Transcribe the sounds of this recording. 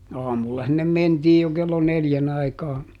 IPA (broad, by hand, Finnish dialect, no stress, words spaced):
ɑːmulːɑ sinːem mentiːj jo kelːo neljæn ɑikɑː